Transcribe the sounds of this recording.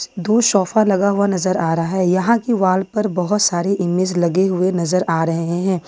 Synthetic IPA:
d̪oːʃɔːfalɐɡaɦʊanɐzəɾaːɾɦaɦɛjɐɦãkiʋaːlpɐɾbɐɦʊt̪saːɾeʔɪmeːd͡ʒlɐɡeɦʊenɐzəɾaːɾɐɦɦeɦɛ̃ː

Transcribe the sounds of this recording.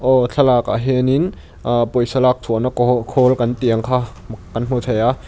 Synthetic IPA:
ʔɔɬʰɐlaka̰ɦenin | ʔpojsɐlak̚tʰunakʰolkɐnt̪iəŋkʰa | kɐnm̥ot̪ʰaja

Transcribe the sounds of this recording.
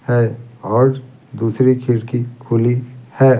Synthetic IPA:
hɛɔːɾ | d̪uːsɾikʰɪɾkikʰʊlihɛː

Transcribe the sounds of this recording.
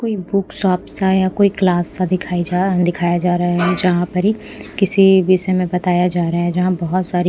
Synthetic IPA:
koːibʊksaːpsajakoːiklaːsːad̪ɪkʰaːid͡ʒad̪ɪkʰaːjad͡ʒaːɾɐɦaɦɛd͡ʒɐɦãpɐɾɦi | kɪsibiːsemẽbɐt̪aːjad͡ʒaːɾɐɦaɦɛd͡ʒɐɦãbɐɦʊt̪saːɾi

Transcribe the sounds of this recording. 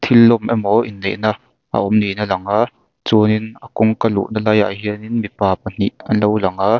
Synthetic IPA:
t̪ʰɪlːɔmʔɛmɔʔinleʔna | ʔa̰ʔɔmninalɐŋaʔ | t͡suninakʊŋkalṵʔnalaja̰ʔɦiəninmipaːpɐn̥ḭʔɐnlowlɐŋaʔ

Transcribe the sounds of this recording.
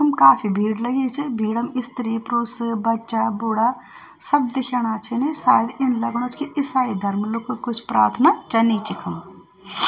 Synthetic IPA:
ɐmkaːpʰibʱiːɽlɐɡeːt͡ʃʰebʱiːɽɐmɪst̪əɾiepɾoːsbɐtːt͡ʃaːbʊːɽaː | sɐb̚d̪ɪkʰeːɽ̃aːt͡ʃʰenesaːjəd̪ɪnlɐɡɽ̃oːt͡ʃkiʔɪsaːid̪ʱɐɾmlʊkʰokʊt͡ʃʰpɾaːɾt̪ʰnaːt͡ʃɐniːt͡ʃikʰɐm

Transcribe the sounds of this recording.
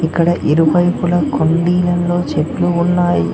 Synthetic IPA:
ikːɐɽɐʔiɾuʋɐjpulɐkʰoɳɖiːlɐnlo̞ːt͡ʃeʈluːnːaːjḭ

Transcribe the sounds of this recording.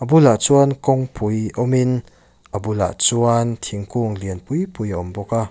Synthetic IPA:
ʔəbulaʔt͡suankɔŋpujʔɔmin | ʔabula̰ʔt͡suant̪ʰiŋkuŋliənpujpujaɔmbɔka

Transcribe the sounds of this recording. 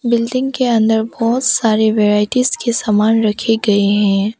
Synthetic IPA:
bɪlɖɪ̃ŋɡkeɐ̃nd̪əɾbɔːt̪saːɾeʋeːɾaːɪʈiːzkesaːmaːnɾɐkʰeɡɐeɦɛ̃ː

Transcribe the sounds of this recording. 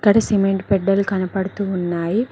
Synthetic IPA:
kːɐɽɐsimeɳʈpɛɖːɐlukɐnɐpɐɽut̪uːunːaːji

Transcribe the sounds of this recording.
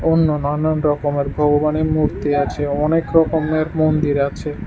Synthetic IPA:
onːonananɾɔkomeɾbʱɔɡobanemuɾt̪iat͡ɕʰeɔnekɾɔkomeɾmond̪iɾat͡ɕʰe

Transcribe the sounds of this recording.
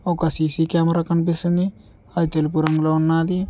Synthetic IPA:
ɔkɐsiːsiːkjaːmɐɾaːkɐnipist̪und̪i | ɐd̪it̪elup̬uɾɐŋɡloːunːaːd̪i

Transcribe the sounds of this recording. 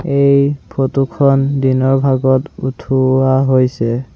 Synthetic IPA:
ejpʰotukʰɔndinɔɹbʱaɡɔtutʰuaɦojsɛ

